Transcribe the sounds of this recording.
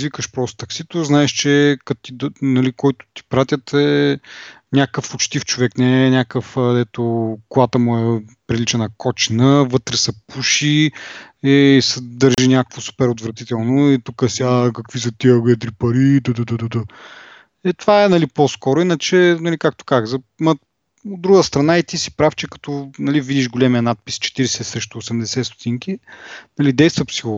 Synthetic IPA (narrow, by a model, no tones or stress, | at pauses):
zvikəʃpɾɔst̪t̪ɐksit̪oznaɛʃt͡ʃɛkɐt̪t̪id̪nɐlikɔjt̪ʊ̥t̪i̥pɾat̪ʲjət̪ɛ | nʲakəfot͡ʃt̪ift͡ʃovɛknɛnʲakəfd̪ɛt̪okʊat̪əmuɛpɾilit͡ʃɛnɐkɔt͡ʃinəvɤt̪ɾɛsɐpuʃi | ɛsɛd̪əɾʒinʲjakəkvosu̥pɛɾot̪vɾɐt̪it̪ɛlˠnʊit̪ukəsiakɐkvis̬ət̪iəɡɛd̪ɾipɐɾid̪əd̪əd̪əd̪əd̪ə | ɛt̪vaɛnɐliposkɔɾʊinət͡ʃɛnɐlikak̚t̪o̥kazəxzɐ | mɐ | od̪ːɾuɡəst̪ɾɐnait̪isi̥pɾaft͡ʃɛkɐ̥t̪ɔnɐlivid̪iʃɡolʲɛmijənat̪̚pist͡ʃɛ̥t̪iɾɛsɛsɾɛʃt̪ʊːsɛmd̪ɛsɛst̪ʊ̥t̪iŋkʲinɐlid̪ɛjst̪vəpsilˠo